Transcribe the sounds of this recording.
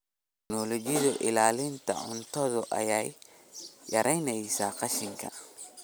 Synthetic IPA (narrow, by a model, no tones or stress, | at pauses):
tt̪ʰɛknɔlɔd͡ʒɪðʊʔɪ̰laːlɪnt̪ʰɐ̰ʕʊ̰nt̪ʰɔðʊʔɐ̰jajː | ɐɾɛjnɛjsaːqɑʃɪŋkʰɐ̰